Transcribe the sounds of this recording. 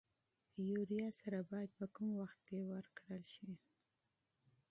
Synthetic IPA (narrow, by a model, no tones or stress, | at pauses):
juɾijɑsaɾabɑjad̪̚pəkumwaxt̪̚kewəɾkɽəlʃi